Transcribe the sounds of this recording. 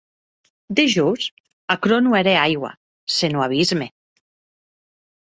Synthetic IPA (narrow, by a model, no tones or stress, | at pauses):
d̪eʒuz | akɾonueɾeajɣwa̰ | senuaβ̞izme